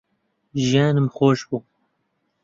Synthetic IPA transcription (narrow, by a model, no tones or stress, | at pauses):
ʒijaːnɨmxoːʃbuː